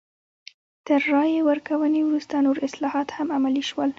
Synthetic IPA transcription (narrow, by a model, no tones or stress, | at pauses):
t̪əɾːɑjewəɾkawənewɾust̪anoɾɪslɑhɑt̪hamamaliʃwəl